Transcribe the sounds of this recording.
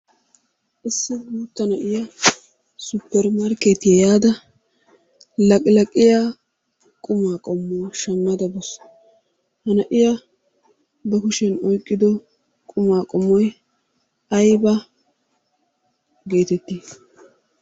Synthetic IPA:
ʔɪsːɪbuːt̪ːɐnɐʔɪjɐ | sʊpːɛɾmɐɾkeːt̪jɛjaːd̪ɐ | lɐkʼɪlɐkʼːɪja | kʼʊmaːkʼɔmːɔwʃɐmːɐd̪ɐbɔs | hɐnɐʔɪjɐ | bɐkʊʃɛnɔjkʼːɪd̪ɔ | kʼʊmaːkʼɔmːɔj | ɐjbɐ | ɡe̞ːt̪ɛt̪ːi

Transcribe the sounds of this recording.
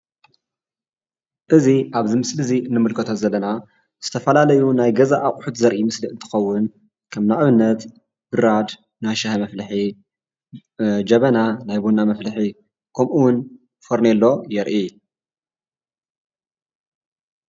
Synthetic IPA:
ʔɨziʔaβzimɨslɨziɨnːɨmɨlkʰɐt̪ʰozɐlːɐna | z̥ɨt̪ʰɐfɐlalɐjunajɡɐzaʔːkʼħut̪zɐɾʔimɨsliɨnt̪ʰɨ̥xɐwːʊn | kʰɐmnaʔβɨnːɐt̪ | b̥ɨɾad̪ | najʃɐhɐmɐflɨħi | d͡ʒɐβɐnanajbonamɐflɨħi | kʰɐmʔuwʊn | foɾnelːo̞jɛɾʔi

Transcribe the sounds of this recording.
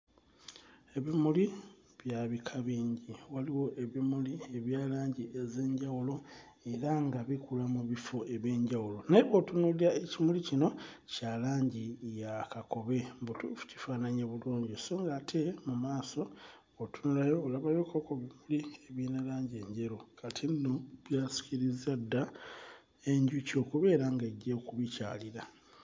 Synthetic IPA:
e̞βimuli | βjaβikʰaβiːɲɟiwaliwo̞ʔe̞βimulie̞βjaːlaːɲɟiʔe̞ze̞ːɲɟawulo̞ | e̞ɾaŋɡaβikulamuβifo̞e̞βje̞ːɲɟawulo̞naβo̞tunuliɾaecimulicino̞ | calaːɲɟijakako̞βe̞mbutṵfu̥ci̥faːnaɲeβuloːɲɟisoːŋɡaːtʰe̞mumaːso̞ː | tunuɾajo̞ːlaβajo̞kokoβimulieβjeːnalaːɲɟe̞ːɲɟe̞ɾokʰatʰinːo̞βjaːsi̥ciɾizadːa | e̞ɲɟuco̞ːkuβe̞ːɾaŋɡaɟːekuβica̰ːliɾa

